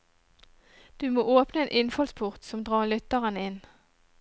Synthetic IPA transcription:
d̪̥ʉːmoːʔoːpnəeːnʔɪnfɔlspʰʊʁt̪sɔmd̪ʁɑːʁlʏt̪əʁənəɪn

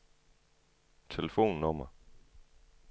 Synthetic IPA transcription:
t͡sʰeləfo̝̰ːnːɔmɐ

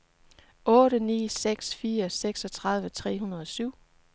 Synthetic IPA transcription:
ʔɔ̽ːɾənḭːseɡ̥sfiːɐseɡ̥sɒ̽t͡sʰʁɑ̈ðˠʋət͡sʰʁɛ̰ːɦunɐð̞ˠɒ̽syʊ̰

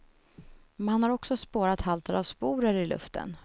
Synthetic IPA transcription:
mɛnhanhaɾɔksɔspoːɾat̪halt̪ʰəɾavspuːɾəɾɪlɵ̰ft̪ʰə̰n

